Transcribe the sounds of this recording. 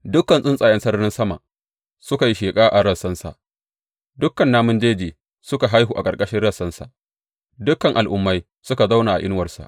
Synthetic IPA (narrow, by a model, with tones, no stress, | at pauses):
dʊ˦kːɐ˨nsʼɪ˦nsʼaː˨jɐ˦nsɐ˦rnɪ˦nsɐ˦ma̰˨ | sʊ˦ka˨ji˦ʃeː˨kʼaː˦ʔa˨ɽɐ˦˨sɐ˦nsa̰˨ʔ | dʊ˦kːɐ˨nːaː˦mʊ˦nd͡ʒeː˦d͡ʒeː˨ | sʊ˦ka˨ɦa˦jɦuː˨ʔa˨kʼɐ˨rkʼɐ˦ʃɪ˦ɽɐ˦˨sːɐ˦nsa̰˨ʔ | dʊ˦kːɐ˨ŋʔa˨lʔʊ˦mːa˦j | sʊ˦ka˨za˦wna˨ʔa̰˨ʔɪ˦n˦wɐ˨rsa̰˨ʔ